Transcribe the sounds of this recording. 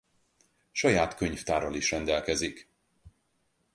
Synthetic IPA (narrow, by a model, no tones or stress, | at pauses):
ʃɒjaːt̪køɲft̪aːɾɒliʃrɛnd̪ɛlkɛzik